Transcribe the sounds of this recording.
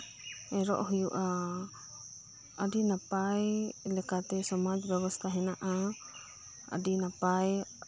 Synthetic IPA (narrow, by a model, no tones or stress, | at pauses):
ɛɾɔ̰ʔɦujuʔa | ədinapajlɛkat̪ɛsɔmad͡ʒbɛβɔst̪ʰaɦɛnaʔa | ə̰dinapaj